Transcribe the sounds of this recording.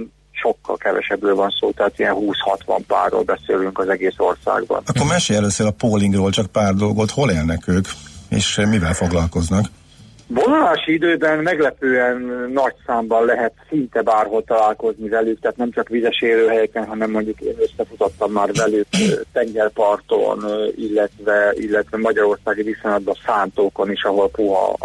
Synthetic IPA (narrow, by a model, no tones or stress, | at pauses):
ʃo̞kːɒ̰lkɛvɛ̰ʃɛbrøːlvɒnsoːt̪ɛɦaːt̪iɛnhuːshɒ̰t̪ʋɒ̰mpa̰ːrːo̰ːlbɛseːlyŋkɒzɛɡeːso̞rsa̰ːɡbɒ̰nɒkːormɛʃeːɛløːseːlɒpoːliŋɡroːlt͡ʃɒk̚paːrd̪o̞lɡo̞t̪ho̞leːlnɛkøːkḛːʃmivɛlfo̞ɡlɒlko̞znɒk | vo̞nolaːʃiid̪øːbɛnmɛɡlɛpøːɛnːɒcsaːmbɒnlɛɦɛt̪sint̪ɛbaːrho̞lt̪ɒlaːlko̞znivɛlykt̪aːt̪nɛmt͡ʃɒkʋizɛʃeːɾøːɦɛjɛkɛnɦɒnɛmːo̞ɲɟukeːnø̞sːɛfut̪o̞t̪ːɒmːaːrvɛlykt̪ɛŋɡɛrpɒrt̪o̰nilːɛt̪vɛilːɛt̪ʋɛmɒɟɒɾo̞rsaːɡid̪isojnɒd̪bɒsaːnt̪oːko̞niʃɒɦo̞lpuɦɒ̰